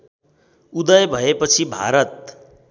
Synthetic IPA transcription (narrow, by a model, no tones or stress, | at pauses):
ud̪ʌjbʱʌepʌt͡sʰibʱa̰ɾʌt̪̚